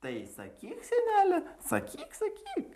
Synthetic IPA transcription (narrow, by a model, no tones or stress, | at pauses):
t̪ɐɪsɐ̰kʲiːksʲɛnʲæːlʲɛsɐ̰kʲiːksɐkʲiːk